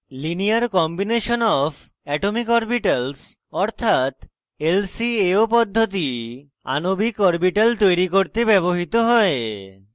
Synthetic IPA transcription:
linijaɾkɔmbineʃonɔfʰ | ɛʈomikɔɾpiʈals | ɔɾt̪ʰat̪ | elsieopɔd̪ʱːot̪̬i | a̰nobikɔɾbiʈalt̪ojɾikoɾt̪ebɛβoɦit̪oɦɔe

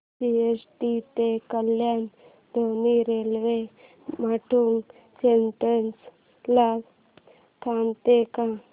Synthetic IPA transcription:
siesʈit̪ekəljan | d̪ʱoniɾelʋe | maʈʰuŋɡ | sentens | laɡ | t̪ʰamt̪ekã

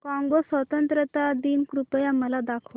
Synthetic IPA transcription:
kɔ̃ŋɡosʋət̪ənt̪ɾət̪ad̪iːnkɾupəjaməlad̪akʰʋ

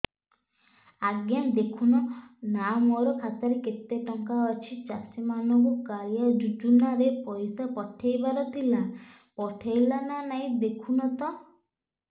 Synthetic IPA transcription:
aɡjand̪ekʰunɔnamɔɾɔkʰat̪aɾeket̪ːeʈɔŋkaɔt͡ʃʰit͡ʃasimanɔŋkukaɾjad͡ʒud͡ʒunaɾepɔjsapɔʈʰejbaɾɔt̪ʰila | pɔʈʰajlananaĩd̪ekʰunɔt̪ɔ

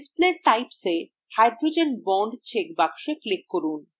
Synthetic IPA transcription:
spleɾʈajpse | hajɖɾod͡ʑenbɔɳɖt͡ɕʰek̚bakʃeklikːoɾun

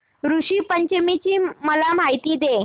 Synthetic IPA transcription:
ɾuʂiːpəɲt͡ɕəmit͡ɕiːməlam̤ajt̪iːd̪e

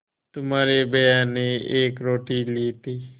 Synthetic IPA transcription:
t̪ʊmaːɾeːbəjaːnːeːeːkɾoːʈiːliːt̪iː

